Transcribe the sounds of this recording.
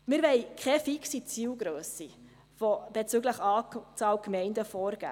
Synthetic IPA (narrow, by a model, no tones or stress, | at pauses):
mɪɾʋɛɪkʰɛfiksit͡siːwɡɾøːsːi | fɔb̥et͡syɡləχɑːt͡sɑːwkmɛɪndəfɔːɾɡ̥æ̰ː